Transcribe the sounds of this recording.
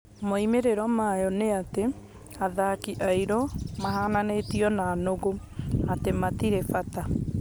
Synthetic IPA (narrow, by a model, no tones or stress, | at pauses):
moimeɾeɾɔmajɔneate | aðakiʔaiɾɔmaɦananeːtiɔnaːnoɣo | atematiɾefata